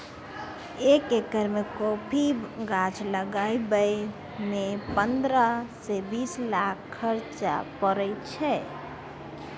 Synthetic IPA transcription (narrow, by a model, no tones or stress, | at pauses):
ekekəɾmekopʰiɡad͡ʒʰləɡaibəj | mepənd̪ɾəsebislakʰːəɾt͡ʃa̰pəɾɛjt͡ʃʰɛ